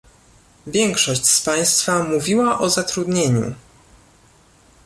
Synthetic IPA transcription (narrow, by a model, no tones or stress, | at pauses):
vʲjɛŋkʂɔɕt͡ɕspaj̃st̪famuvʲiwaʔɔzat̪ɾud̪ɲeɲṵ